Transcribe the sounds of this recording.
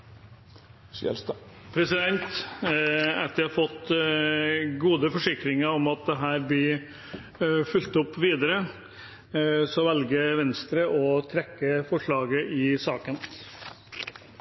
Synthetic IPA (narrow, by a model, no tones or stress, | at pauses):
pʰɾɛsɪd̪ɛnt̪ | æɾt̪æhɑɾfɔt̪ː | ɡuːd̪əfɔʂɪkɾɪŋəɾɔmɑt̪̚d̪ɛɦæːɾblɪ | fʉlt̪ʊpːʋiːd̪əɾə | sɔʋɛlɡəʋɛnst̪ɾəʔɔt̪ʰɾɛkːəfɔʂɭɑːɡəʔɪsɑːkən